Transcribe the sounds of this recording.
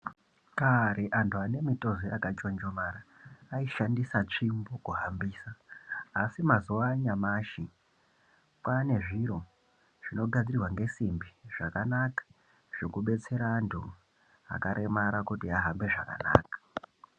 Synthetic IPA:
kaɾeʔantuane̞mito̞zoʔakat͡ʃo̞nd͡ʒomaɾaːiʃandisat͡ʂimbokuɦambiːsaː | simazuaɲamaʃi | kwane̞ʐiɾo̞ | ʐ̥ino̞ɡʱad͡zirirwaŋɡe̞simbiʐ̥akanakḁ | ʐ̥okuɓe̞t͡se̞ɾaːntʰṵ | a̰kaɾʔe̞maɾakutiaɦambe̞ʐa̰ka̰na̰ːkḁ

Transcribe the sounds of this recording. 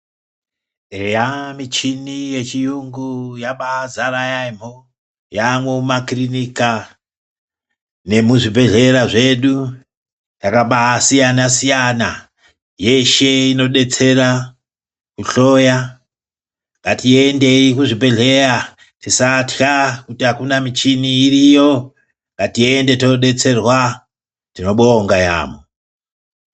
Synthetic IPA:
jamit͡ʃinije̞t͡ʃijuŋɡujaɓaːzaɾajaimo | jamweumakrinika | ne̞muʐibʱe̞ɮe̞ɾaʐe̞ɗu | jakaɓasijanasijana | je̞ʃe̞ino̞ɗe̞t͡se̞ra | kuɬo̞ːja | ŋɡatiende̞ikuʐibʱe̞ɮe̞ra | tisatxakutiakunamit͡ʃiniːrijo̞ | ŋɡatie̞nde̞tinoɗe̞t͡se̞rwa | tino̞ɓoːŋɡaja̰ːmo

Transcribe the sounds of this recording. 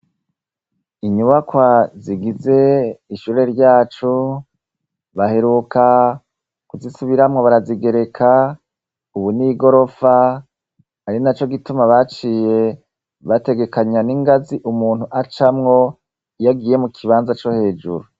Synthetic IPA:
iɲuβakwaziɡize̞iʃuɾe̞ɾɟaːt͡ʃu | βahe̞ɾukʰa | kuzisuβiɾamŋo̞βaɾaziɡe̞ɾe̞kʰa | uβuniɡo̞ɾo̞fa | aɾinat͡ʃo̞ɡitumaβat͡ʃije̞ | βate̞ɡe̞kaɲaniŋɡaziʔumuːn̥huʔat͡ʃamŋo̞ | jaɡiːje̞mukʰiβaːnzat͡ʃo̞he̞ːd͡ʒṵɾu

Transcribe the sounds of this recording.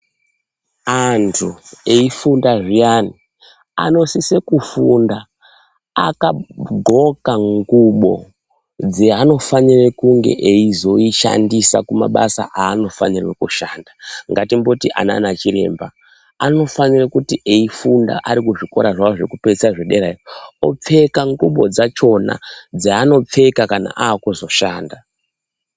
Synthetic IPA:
antʰue̞ifundaʐijaːni | a̰no̞sise̞kufunda̰ː | kaɡʱo̞kaŋɡuɓo̞̰ | d͡zeano̞fanirekuŋɡe̞̰ʔeizo̞iʃa̰ndisa̰kuma̰ɓasa̰ʔaːno̞fa̰nirwe̞kuʃaːndaŋɡatimbo̞tiʔa̰na̰nat͡ʃiɾe̞̰ːmba | ano̞fanirakutiʔeifunda̰ʔaɾikuʐiko̞̰ɾaʐaoʐekupet͡seaʐeɗeɾaro̞̰p͡fe̞kaŋɡuɓo̞̰d͡zat͡ʃo̞na̰d͡zeano̞p͡fe̞kakana̰ʔaːkuzo̞ʃaːnda

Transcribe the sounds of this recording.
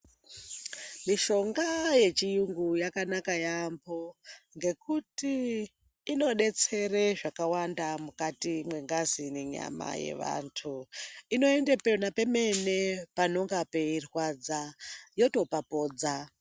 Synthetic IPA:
miʃo̞ŋɡaje̞t͡ʃijuŋɡujakanakajambo̞ŋɡe̞kutiː | no̞ɗe̞t͡se̞reʐakawandamukatimwe̞ŋɡazineɲa̰ma̰jḛʋa̰ntʰuino̞e̞ndepenape̞me̞ne̞pano̞ŋɡape̞irwad͡zajo̞to̞papo̞ːd͡za

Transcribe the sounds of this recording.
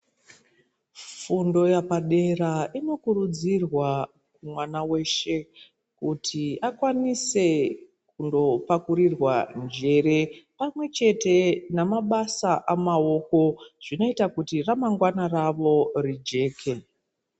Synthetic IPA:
fundo̞japaɗe̞raʔino̞kuɾud͡zirwa | kumwanawe̞ʃe̞ | kutʰiakwanise̞ | kundo̞pakuɾirwand͡ʒe̞ɾe̞pamwe̞t͡ʃe̞te̞namaɓasaʔamao̞ko̞ʐ̥ino̞itakutiramaŋɡwanaraʋo̞rid͡ʒe̞ːkʰe̞

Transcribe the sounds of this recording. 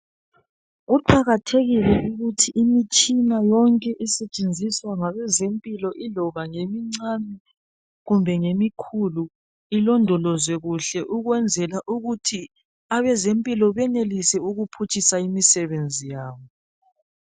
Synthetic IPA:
ɣuǃʰaɣatʰeɣilɛʔuɣutʰiʔːmit͡ʃʼinajɔŋkʼɛʔisɛt͡ʃʼend͡zʱiswaŋaβɛzempʼilɔʔilɔβaŋemiŋ͡ǀami | ɣumbʱɛŋemikʰulu | ilɔndʱɔlɔzwɛɣuɬɛʔuɣwɛnd͡zʱɛlaʔuɣutʰi | aβɛzempʼilɔβɛnelisɛuɣupʰut͡ʃʼisaimisɛβend͡zʱijaːβɔ

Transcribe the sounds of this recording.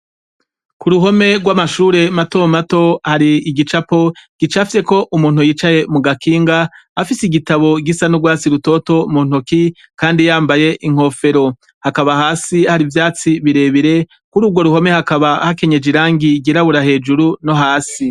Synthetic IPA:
kuɾuɦo̞me̞ɡwamaʃuːɾe̞mato̞mato̞haɾiːɡit͡ʃapo̞ɡ̥it͡ʃafise̞ko̞ʔumuːnhujiːt͡ʃaje̞muɡakʰiːŋɡa | afisiɡitaβo̞ɡisanuɡwaːt͡siɾuto̞to̞mun̥oki | kaːndijaːmbaje̞ʔiŋ̥ho̞fe̞ɾo̞ | hakaβahaːsihaɾivjaːt͡siβiɾe̞βiɾe̞ | kuɾuːbɡwo̞ɾuho̞me̞hakaβahake̞ɲe̞d͡ʒiɾaːŋɡiɡiɾaβuɾahe̞ːd͡ʒuɾuno̞ɦaːsi

